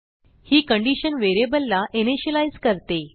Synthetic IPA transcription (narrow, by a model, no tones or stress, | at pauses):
hiːkəɳɖiɕənʋeɾebəlːaʔeneɕəlajzkəɾt̪e